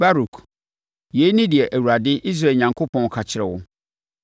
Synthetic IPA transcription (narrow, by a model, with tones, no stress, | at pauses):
ba˦ɾu˨kʰ | je˨˦i˦nĩ˦dɪ˨ɛ˨ʔæ˨wu˨ɾa˨dɪ˦ʔi˦s̬ɾa˨ɲã˨ŋkʰo˦pʰɔ̃˨n˨kʰa˨t͡ɕʰɪ˨ɾɛ˨wʊ˦